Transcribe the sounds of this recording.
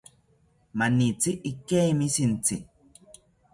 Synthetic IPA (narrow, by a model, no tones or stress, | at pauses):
manit͡siʔːkemisint͡sɪ